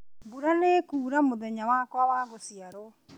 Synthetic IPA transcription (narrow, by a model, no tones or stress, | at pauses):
buɾanekuːɾamoðɛɲawakwawaːɣosiaɾo